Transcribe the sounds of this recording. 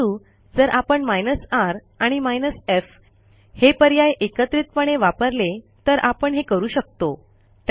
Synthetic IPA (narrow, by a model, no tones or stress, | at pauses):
uː | d͡zəɾʔapəɳmajnəsaɾ | aɽ̃imajnəsef | hepəɾjajʔekət̪ɾit̪̚pəɳ̃eʋapəɾle | t̪əɾʔapəɳɦekəɾuːɕək̚t̪o | t̪